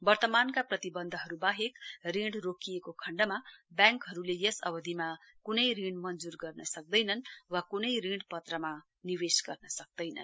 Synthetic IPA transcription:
bʌrt̪ʌmankaprʌt̪ibʌnd̪ʱʌɦʌɾubaɦekriɽrokijekokʰʌɳɖʌmabjãŋkɦʌɾulejʌsʌbʌd̪ʱima | kunʌjrĩɖmʌnd͡zurɡʌrnʌsʌk̚d̪ʌjnʌnwakunʌjrĩɽpʌt̪rʌma | niwesɡʌrnʌsʌk̚d̪ʌjnʌ̰n

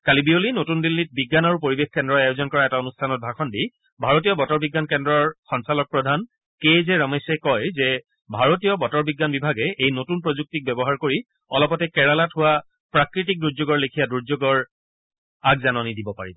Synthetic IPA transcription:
kalibiolinotundilːit̚biɡːanaɹupoɹibexkɛndɹɔajozɔnkɔɹaɛtaonustʰanɔt̚bʱaxʰɔndi | bʱaɹotijɔbɔtɔɹbiɡːankɛndɹɔɹxɔnsalɔk̚pɹɔdʱan | kezɛɹɔmesɛkɔjzɛ | bʱaɹotijɔbɔtɔɹbiɡːanbibʱaɡɛejnotunpɹozuk̚tik̚bɛbɔɦaɹkoɹi | ɔlɔpɔtɛkɛɹalatɦʊa | pɹakɹitik̚duɹzoɡɔɹlekʰijaduɹzoɡɔɹ | aɡzanɔnidibɔpa̰ɹibɔ

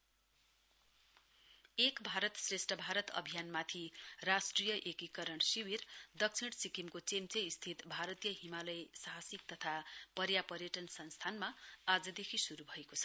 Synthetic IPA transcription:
ekbʱaɾʌt̪sresʈʌbʱaɾʌt̪ʌ̰bʱijanmat̪ʰirasʈrijʌʔekikʌɾʌɽsiwird̪ʌk̚t͡sʰiɽsikimkot͡semt͡seist̪ʰit̪bʱaɾʌt̪ijʌɦimalʌjsaɦasik̚t̪ʌt̪ʰapʌɾjapʌɾjʌʈʌnsʌnst̪ʰanmaad͡zʌd̪ekʰisuɾubʱʌekot͡sʰʌ̥

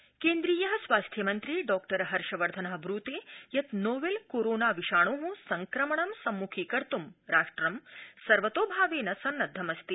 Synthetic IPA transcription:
keːnd̪ɾiːjɐɦɐsʋaːst̪ʰjɐmɐnt̪ɾiɖɔːkʈɐɾɦɐɾʃɐʋɐɾd̪ʱɐnɐɦɐbɾuːt̪eːjɐt̪noːʋelkoːɾoːnaːʋiʃaːɳoːɦũsɐŋkɾɐmɐɳɐmsɐmːukʰiːkɐɾt̪umɾaːʂʈɾɐmsɐɾʋɐt̪oːbʱaːʋeːnɐsɐnːɐd̪ʱːɐmɐst̪i

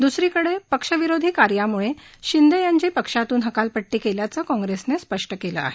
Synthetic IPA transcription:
d̪usɾiːkəɽepəkʂəʋiɾod̪ʱiːkaɾjamuɭeɕind̪ejaɲt͡ɕiːpəkʂat̪uːnɦəkalpəʈːiːkeljat͡səːkɔ̃ŋɡɾesnespəʂʈəkelə̰a̰ɦe

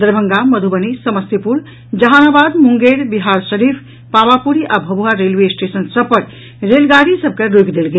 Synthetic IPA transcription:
d̪əɾbʱəŋɡaməd̪ʱubənisəməst̪ipuɾ | d͡ʒəɦanabad̪muŋɡeɾbiɦaɾʃəɾipʰ | paʋapuɾiʔabʱəbʱuɦaɾelʋesʈesənsəbpəɾ | ɾelɡaɾisəb̚keɾokd̪elɡe

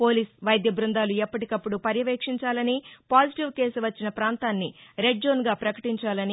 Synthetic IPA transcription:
po̞ːliːsʋɐjd̪jɐbɾund̪aːluɛpːɐʈikɐpːuɽupɐɾjɐʋeːkʂiɲt͡ʃaːlɐnipaːd͡ʒiʈiʋke̞ːsuʋɐt͡ʃːinɐpɾaːnt̪aːnːiɾe̞ɖ̚d͡ʒo̞ːnɡaːpɾɐkɐʈiɲt͡ʃaːlɐni

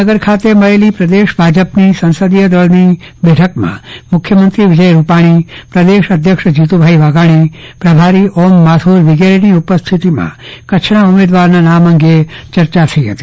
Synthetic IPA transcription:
əɡəɾkʰat̪eməɭelipɾəd̪eʃbʱad͡ʒəpnisə̃nsəd̪ijəd̪əɭnibɛʈʰəkmã̰mʊkʰjəmənt̪ɾiʋɪd͡ʒəjɾupaɽ̃ipɾəd̪eʃəd̪ʱjəkʂd͡ʒit̪ubʱaiʋaɡaɽ̃ipɾəbʱaɾiʔɔmːat̪ʰuɾʋɪɡeɾiniupəst̪ʰit̪imã̰kət͡ʃʰɳ̃aumed̪ʋaɾnanamə̃ŋɡet͡ʃəɾt͡ʃat̪ʰəiɦət̪i

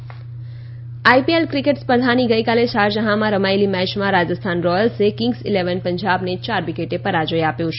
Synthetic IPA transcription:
ajpielkɾikeʈspəd̪ʱaniɡəjkalesaɾd͡ʒəɦamãɾəmaelimɛt͡ʃmãɾad͡ʒəst̪ʰanɾɔjəlsekĩŋɡsileʋənpəɲd͡ʒabnet͡ʃaɾʋikeʈepəɾad͡ʒəjapjõt͡ʃʰe

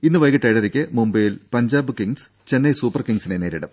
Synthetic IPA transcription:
inːɨʋɐjkɐʈːɐjɽɐɾikʲːɨmumbɐjilpɐɲd͡ʑaːbɨkiŋs | t͡ɕe̞nːɐjsuːpːɐrkiŋɡsineneːɾiɽɐm

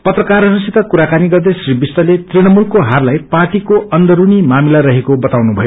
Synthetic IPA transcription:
pʌt̪rʌkarʌɾusit̪ʌkuɾakaniɡʌrd̪esribist̪ʌlet̪riɽ̃ʌmulkoɦarlajpaʈikoʌnd̪ʌɾunimamilaɾʌɦekobʌt̪awnubʱʌjo

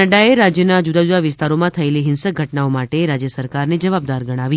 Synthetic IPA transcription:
əɖaeɾad͡ʒjənad͡ʒud̪ad͡ʒud̪aʋɪst̪aɾomãt̪ʰəeliɦɪnsək̚ɡʱəʈnaomaʈeɾad͡ʒjəsəɾkaɾned͡ʒəʋab̚d̪aɾɡəɽ̃aʋi

